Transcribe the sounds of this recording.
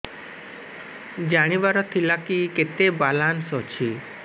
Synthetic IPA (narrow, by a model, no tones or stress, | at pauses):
d͡ʒaɽ̃iʋaɾɔt̪ʰilakiket̪ebalansɔt͡ʃʰi